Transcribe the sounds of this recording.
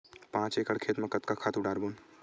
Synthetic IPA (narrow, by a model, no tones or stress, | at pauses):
pãːt͡ʃeːkəɽkʰeːt̪mẽkət̪kakʰaːt̪ʊɖaːɾbuːn